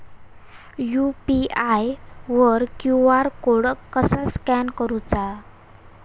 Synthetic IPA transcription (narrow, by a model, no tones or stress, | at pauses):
jupiajʋəɾkjuaɾkoɽkəsaskænkəɾut͡sa